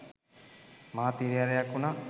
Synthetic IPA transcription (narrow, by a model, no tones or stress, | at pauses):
maːt̪iɾijaɾejakuna